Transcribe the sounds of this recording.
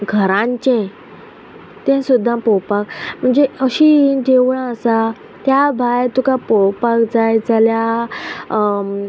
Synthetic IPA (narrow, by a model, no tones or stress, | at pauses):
ɡʱəɾãɲt͡ɕẽ | t̪ɛ̃sud̪ʱːãpɔwpak̚m̤əɳd͡zeəɕid͡ʑeʋɭãəsa | t̪jabʱajt̪ukapɔwpakd͡zajd͡zʱalja